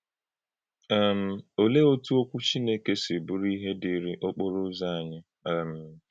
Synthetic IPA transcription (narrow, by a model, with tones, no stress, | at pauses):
ɛ˦m̩˦˨o˨le˦o˦tu˦o˦kʷu˦t͡ʃi˦ne˦ke˦si˨bʊ˦ɾi˦ɦe˦di˨ɾi˦ʔo˦k͡po˦ɾʊ˦za˦a˨ɲɪ˦˨ | m̩˨